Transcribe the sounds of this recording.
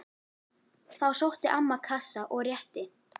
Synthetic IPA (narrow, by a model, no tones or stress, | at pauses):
θawsowht̪ɪʔamːakʰasːaʔɔɣrjɛht̪ɪ